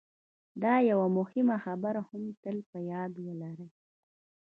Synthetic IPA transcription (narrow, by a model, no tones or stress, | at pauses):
d̪ɑjawamʊhɪmaxabaɾahamt̪əlpəjɑd̪wəlaɾəj